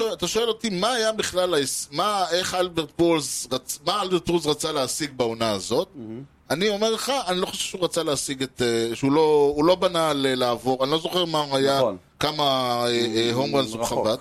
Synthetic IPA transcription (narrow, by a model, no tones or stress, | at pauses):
oeat̪aʃo̞e̞lot̪imaːjabiχlalaesmae̞χalbeʁt̪̚bolzʁat͡smaalbeʁt̚bolzʁat͡saleasiɡ̚baonaazo̞t̪̚ | anio̞meʁleχaanilo̞χoʃev̥ʃeuʁat͡saleasiɡet̪eʃeuloulo̞banalelaːvo̞ʁanilo̞zo̞χeʁmauaja | kamaeɦomʁanzuχavat̪